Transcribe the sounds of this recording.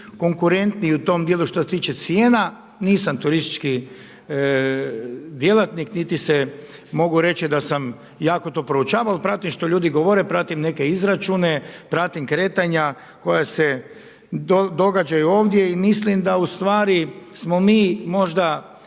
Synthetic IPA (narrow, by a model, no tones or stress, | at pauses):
ko̞ŋkuɾe̞nt̪niut̪o̞md̪jelˠuʃt̪ose̞t̪iːt͡ʃe̞t̪sjeːna | niːsamt̪uɾist̪i̥t͡ʃki | d̪je̞lat̪niknit̪isemo̞ɡuɾe̞t͡ʃid̪asam | jaːko̞t̪o̞ːpɾout͡ʃaːʋalpɾaːt̪imʃt̪o̞ʎuːd̪iɡo̞ʋo̞ɾepɾat̪imne̞keizɾat͡ʃune̞pɾat̪imkɾe̞ːt̪aɲa | ko̞jase | d̪o̞ɡad͡ʒajuo̞ːʋd̪je̞imis̬limd̪aust̪ʋaːɾismo̞miːmo̞ʒd̪a